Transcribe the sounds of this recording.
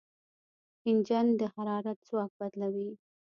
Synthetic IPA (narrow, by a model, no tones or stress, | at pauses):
ɪnd͡ʒɑnd̪əhaɾɑɾat̪zwɑk̚bad̪lawi